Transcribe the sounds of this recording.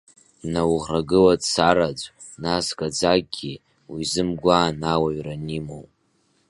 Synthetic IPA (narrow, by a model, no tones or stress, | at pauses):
nawʁraɡɨladsaɾad͡ʒʷʼ | nasɡʼad͡zaɡɡʲi | wizɨmɡʷaːnawaɥranimow